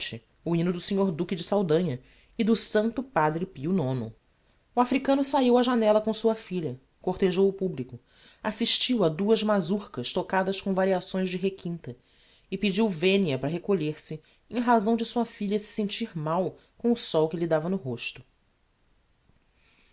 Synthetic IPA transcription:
t͡ʃɪ | uĩnʊd̪ʊsĩɲoɾd̪ukɪd͡ʒɪsawd̪ɐ̃ɲɐ | ɪd̪ʊsɐ̃nt̪ʊpad̪ɾɪpiunõnʊ̰ | uafɾikɐ̃nʊsaiwɐʒanɛlɐkõsuɐfiʎɐ | koɾt̪eʒowʊpublikʊ | asiʃt͡ʃiwɐd̪uɐzmazuɾkɐʃt̪okad̪ɐskõw̃vaɾiasõj̃zd͡ʒɪɦekʰĩnt̪ɐ | ɪpid͡ʒiwvẽniɐpɾɐɦekoʎeɾsɪ | ẽɦazɐ̃w̃d͡ʒɪsuɐfiʎɐsɪ̥sẽnt͡ʃiɾmaw | kõw̃ʊsɔwkɪʎid̪avɐnʊɦoʃt̪ʊ̥

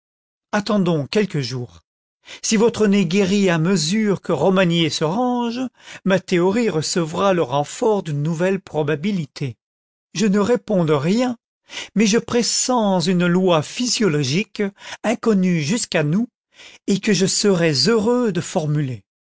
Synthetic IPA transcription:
at̪ɑ̃d̪ɔ̃kʲɛlkəʒuːʁ | sivɔt̪χəneɡʲeʁiaməzyʁkəʁɔmanjesəʁɑ̃ʒmat̪eɔʁiʁəsəvʁaləʁɑ̃fɔʁd̪ynːuvɛlpχɔbabilit̪ʰe | ʒənəʁepɔ̃d̪əʁjɛ̃ | mɛʒəpχesɑ̃zynlwafizjɔlɔʒikɛ̃kɔnyʒyskanu | ekəʒəsəʁɛzøʁød̪əfɔʁmyle

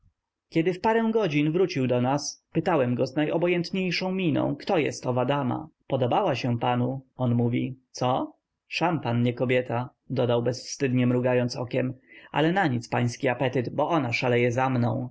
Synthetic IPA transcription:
kʲɛd̪ɘfpaɾɛw̃ɡɔd͡ʑinvɾut͡ɕiwd̪ɔnaspɘt̪awɛmɡɔznajʔɔbɔjɛnt̪ɲejʂɔ̃w̃mʲinɔ̰̃w̃kt̪ɔjɛ̰st̪ɔvad̪ama̰pɔd̪ɔbawaɕɛpanuɔnmuvʲit̪sɔ | ʂampanɲɛkɔbʲjɛt̪a | d̪ɔd̪awbɛsfst̪ɘd̪ɲɛmɾuɡajɔnt̪sɔ̰kʲɛma̰lɛnaɲit̪spaj̃skʲiapɛt̪ɘt̪bɔʔɔnaʂalɛjɛzamnɔ̰̃w̃

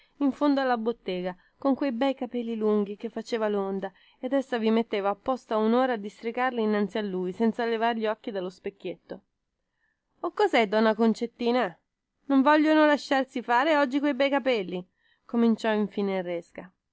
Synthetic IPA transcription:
iɱfond̪oalːabot̪ːɛːɡa | koŋkwejbɛjkapɛlːiluŋɡ̟ik̟efːat͡ʃeːvalond̪a | ed̪esːavimet̪ːeːvaːpːɔst̪aunoːɾad̪ist̪ɾikarliːnːant̪sialːuːjsɛnt̪salevaɾʎiɔkːid̪alːospekːjet̪ːo | okːɔzɛd̪ɔnːakont͡ʃet̪ːiːna | noɱvɔʎːonolaʃːarsifaːɾeɔd͡ʒːikwejbɛjkapɛlːi | komint͡ʃɔiɱfiːneirɛska

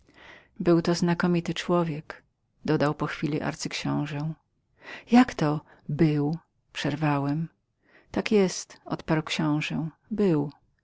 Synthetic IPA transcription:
bɘwt̪ɔznakɔmʲit̪ɘt͡ʂwɔvʲjɛk | d̪ɔd̪awpɔxfʲilʲiʔa̰ɾt̪sɘkɕɔ̃w̃ʐɛw̃ | jakt̪ɔ | bɘw | pʂɛɾvawɛm | t̪akjɛst̪ɔ̰t̪paɾwkɕɔ̃w̃ʐɛ | bɘw

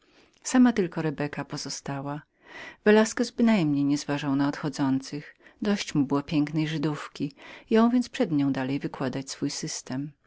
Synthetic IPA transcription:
samat̪ɘlkɔɾɛbɛkapɔz̥ɔst̪awa | vɛlaskɛzbɘnajmɲejɲɛzvaʐawnaɔt̪xɔd̪zɔnt̪sɘxd̪ɔɕt͡ɕmubɘwɔpʲjɛŋknɛjʐɘd̪ufkʲijɔ̃w̃vʲjɛnt̪spʂɛd̪ɲɔ̃w̃d̪alɛjvɘkwad̪at͡ɕsfujsɘst̪ɛm

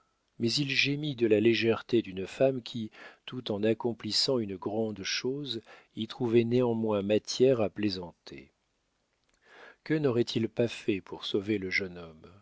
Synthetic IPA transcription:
mɛzilʒemid̪əlaleʒɛʁt̪ed̪ynfamkʲʰit̪ut̪ɑ̃nakɔ̃plisɑ̃ynəɡʁɑ̃d̪ʃoz | it̪χuvɛneɑ̃mwɛ̃mat̪jɛʁaplezɑ̃t̪ʰḛ | kənɔʁɛt̪ʰilpafɛpuʁsoveləʒənɔm

